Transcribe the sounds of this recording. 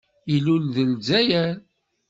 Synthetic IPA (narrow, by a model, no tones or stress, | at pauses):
ilulðəlzæjæɾ